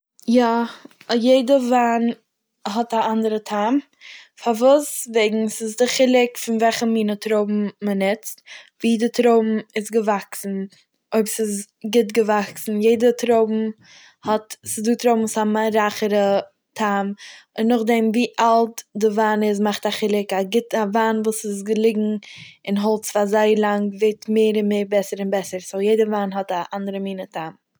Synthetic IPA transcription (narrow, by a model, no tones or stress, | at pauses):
ja | jeɪdəvaːn | ɦɔtaʔandəɾətʰaːm | faɾvuːsveɪɡŋ̩sɪzdɪχɪlˠɪkfɪnvɛlχəmiːnətɾoʊbm̩mənɪt͡stviːdɪtɾoʊbm̩ɪzɡəvaksn̩ | oɪbsɪz | ɡɪtɡəvaksn̩jeɪdətɾoʊbm̩ | hɔtsɪzduːtɾoʊbm̩samaɾaχəɾə | tʰaːmɪnːʊχdɛmviːʔalˠtdɪvaːnɪz̬maχtaχɪlˠɪkaɡɪtavaːnvuːsɪs̬ɡəlˠɪɡŋ̩ɪnɦɔlˠt͡sfazaɪlˠaŋveɪtmeɪɾɪnmeɪɾbɛsəɾɪnbɛsəɾsojeɪdəvaːnɦɔtaʔandəɾəmiːnətʰaːm